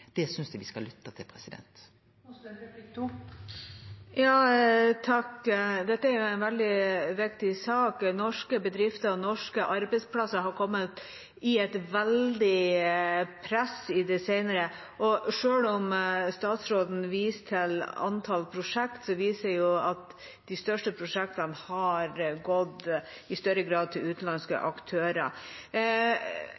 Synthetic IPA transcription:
d̪̥ɛsʏnsd̪ʉʋɪskɑlʏt̪ːət̪ʰɪlpʰɾɛsɪd̪ɛ̰nt̪ | jɑːt̪ʰɑkd̪ɛt̪ːəæɾjʊæɪnʋɛld̪ɪʋɪkt̪ɪsɑːknɔʂkəbəd̪ɾɪft̪əɾɔnɔʂkəʔɑɾbɛɪspʰlɑsəɦɑɾkʰɔmːət̪ | ɪɛt̪ʋɛld̪ɪ | pʰɾɛsɪd̪ɛseɪnəɾə | ʔɔʂøːlɔmst̪ɑːt̪sɾoːd̪n̩ʋiːst̪ʰɪlɑ̰nt̪ʰɑlpʰɾʊʂɛkt̪sɔʋiːsəɾjʊɑt̪ | d̪̥ɪst̪œʂʈəpʰɾʊʂɛk̚t̪ɑnhɑɾɡɔd̪ | ɪst̪œɾəɡɾɑːd̪̚t̪ʰɪlʉːt̪n̩lɑnskə̰ʔɑkt̪ʰøːɾə̰

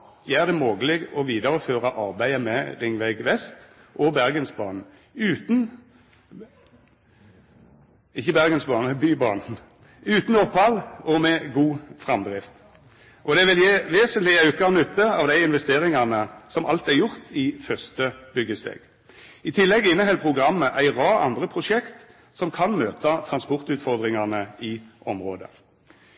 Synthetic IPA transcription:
jæɪæʁd̪ɛmoːɡəlɪɡɔʋiːd̪əʁəføːʁɑʔɑʁbæɪəmɛʁɪŋʋæɪɡʋɛst̪ | ʔɔbæʁɡənsbɑ̰ːn̩ | ʉːt̪n̩ | ɪçːəbæʁɡənsbɑːnbyːbɑːn | ʉːt̪n̩ɔpːhɑlɔmɛɡuːfʁɑmd̪ʁɪft̪ | ʔɔd̪ɛʋɪljeːʋeːsənt̪lɪɑʉkɑnʉt̪ːəɑʋd̪æɪɪnʋɛst̪eːɾɪŋɑnəsɔmʔɑ̰lt̪æʁjʊʁt̪ʰɪfœʁst̪əb̥ʏɡːəst̪ḛːɡ̥ | ɪt̪ʰɪlːɛɡɪnːəɦɛlpʰʁʊɡʁɑmːəʔæɪʁɑːɑ̰nd̪ʁəpʰʁʊʂɛkt̪ | sɔmkʰɑnmøːt̪ɑt̪ʰʁɑnspɔʁt̪ʉːt̪fɔʁd̪ʁɪŋɑnəɪʔɔmʁoːd̪ə̰

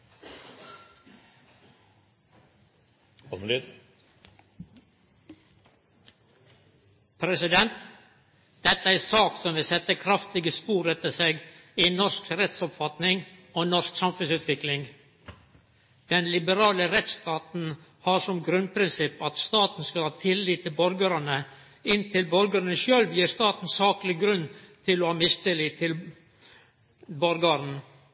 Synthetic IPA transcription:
pʰɾɛsɪd̪ɛnt̪ | d̪̥ɛt̪əæsɑːksɔmʋɪsɛt̪əkʰɾɑft̪ɪɡəspuːɾɛt̪əseːɡiːnɔʂkɾɛt̪sɔpfɑt̪nɪŋɔnɔʂksɑmfʉnsʉːt̪ʋɪklɪŋ | d̪̥ɛnlɪbəɾɑːləɾɛt̪st̪ɑːt̪n̩ | hɑʂɔmɡɾʉnpʰɾɪnsɪpɑt̪st̪ɑːt̪n̩skɑlhɑːt̪ʰɪlːiːt̪ʰːɪlbɔɾɡəɾənə | ɪnt̪ʰɪlbɔɾɡəɾnəʃøːlʋjiːɾst̪ɑːt̪n̩sɑːklɪɡɾʉnːt̪ʰɪlɔhɑːmɪst̪ɪliːɪl | bɔɾɡɑɾn̩

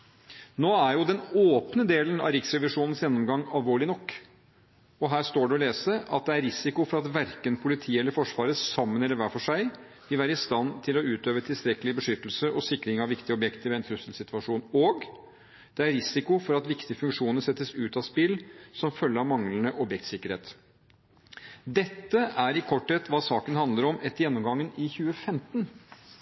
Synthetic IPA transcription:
noːæɾjʊd̪ɛnoːpnəd̪eːlənɑ̰ɾɪksɾɛʋɪʂuːnən̩sjɛnːɔmɡɑŋːɑlʋoːɭɪnɔkː | ɔɦæːʂt̪oːɖɛɔleːsəʔɑt̪̚d̪ɛæɾɾɪsɪkʊfɔɾɑt̪ʋæɾkənpʰʊlɪt̪ʰiːɛlːəɾfɔʂʋɑːɾəsɑmːənɛləʋæːfɔʂæɪ | ʋɪlʋæːɾəɪst̪ɑnːt̪ʰɪlɔʉːt̪øːʋət̪ʰɪlst̪ɾɛkːəlɪbəʂʏt̪ːəlsəɾʔɔsɪkːɾɪŋɑʋɪkt̪ɪɔbjɛkt̪əɾʋɛɛnt̪ʰɾʉsəlsɪt̪ʰʋɑʂuːnɔɡ | d̪̥ɛæɾɾɪsɪkʊfɔɾɑt̪ʋɪkt̪ɪəfʉŋkʂuːnəsɛt̪ːəsʉːt̪ɑspɪlːsɔmfœlːəɾɑʋmɑŋlnəʔɔbjɛk̚t̪sɪkːəɾhḛːt̪ | d̪ɛt̪ːəæɾɪkʰɔʈːɛt̪ʋɑːsɑːkənhɑnd̪əɾɔmɛt̪ːəjɛnːɔmɡɑŋːənɪçʉːəfɛmt̪n

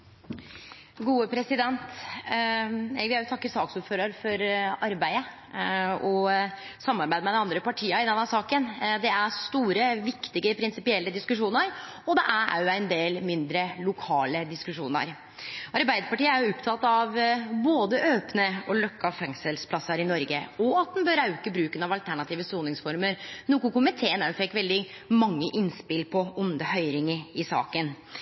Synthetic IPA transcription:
ɡuːəpʰɾɛsɪd̪ɛnt̪ | ɛʋɪæʊt̪ʰɑkːəɾsɑːksuːɾføːɾəɾfɔɾɑɾbæɪə | ɔ | sɑmːɑɾbæɪd̪mɛd̪ɛɑnd̪ɾəpɑʈʰiːəɪd̪ɛnhæːsɑːkənd̪ɛæɾst̪uːɾəʋɪkt̪ɪɡəpʰɾɪnsɪpɪɛlːəd̪ɪskʉʂuːnəɾɔd̪ɛʔæɾæ̰ɾjʊæɪnd̪eːlmɪnd̪ɾəlʊkʰɑːləd̪ɪskʉʂuːnə̰ɾ | ʔɑɾbæɪd̪əɾpɑʈiːəæɾjʊʊpt̪ʰɑt̪ːɑʋboːd̪əʔøːpnəɔlɔkːɑfɛŋsəlspʰlɑsːəɾɪnɔɾɡə̰ɔɑt̪̚d̪ɛnbœɾɑʉkəbɾʉːkənɑʋɑlt̪ʰæɳɑt̪ʰiːʋəst̪uːnɪŋsfɔɾməɾnʊkʊkʊmɪt̪ʰeːənənfɛkːʋɛld̪ɪ | mɑŋːəʔɪnspɪlpʰɔʊnd̪əhœʏɾɪŋəɾɪsɑ̰ːkən

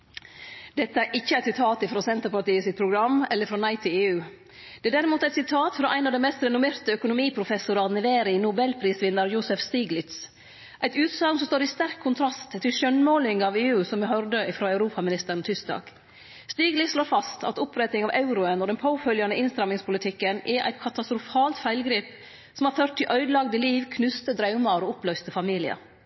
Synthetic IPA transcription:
d̪ɛt̪ːəæɾʔɪçːəæɪt̪sɪt̪ʰɑːt̪ɪfɾoːsɛnt̪əɾpɑʈiːəsɪt̪̚pʰɾʊɡɾɑmːɛlːəɾfɾoːnɑɪt̪ʰɪeːʉː | d̪̥ɛæɖ̪æɾɪmuːt̪əæɪt̪sɪt̪ʰɑːt̪fɔɾɔʔæɪɑːʋd̪ɛnmɛst̪ɾɛnʊmeːɾt̪əœkʊnʊmiːpʰɾʊfɛsʊɾɑnɛʋeːɾɪnʊbɛlpʰɾiːsʋɪnːəɾjʊsɛfst̪iːɡlɪt̪s | ʔæɪt̪ʉːt̪sɑlsɔmst̪oːɾɪst̪æɾkʰːʊnt̪ʰɾɑst̪t̪ʰːɪlʃœnmoːlɪŋɑʋeːʉːsɔmɛɦœɾd̪əɪfɾoːæʉɾuːpʰɑmɪnɪst̪əɾɳ̩n̩t̪ʰʏsk̚d̪ɑ̰ːɡ̥ | st̪iːɡlɪtsʃloːɾfɑst̪ɑ̰t̪ʊpʰɾɛt̪nɪŋɑʋʔɑʉɾʊənɔd̪ɛnpʰoːfœljɑnəʔɪnst̪ɾɑmɪŋspʰʊlɪt̪ʰɪkːənʔɛʔæ̰ɪt̪kʰɑt̪ɑst̪ɾʊfɑːlt̪fæɪlɡɾiːp | sɔmhɑɾføːʈ̪ʰːɪlʔœʏd̪lɑɡd̪əliːʋkʰnʉst̪əd̪ɾɑʉmɑɾɔʊplœʏst̪əfɑmiːlɪə̰

